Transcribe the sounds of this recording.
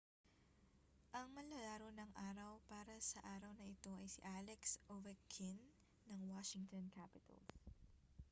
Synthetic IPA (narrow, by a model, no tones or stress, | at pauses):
ʔɐŋmɐlɐlaːɾonɐŋʔaːɾɐwpaːɾɐsɐʔaːɾɐwnɐʔɪt̪o̞ʔɐjsiʔaːlɛksʔowɛkʰːɪnː | ɐŋwaʃɪŋt̪onkʰapɪt̪ɐ̰l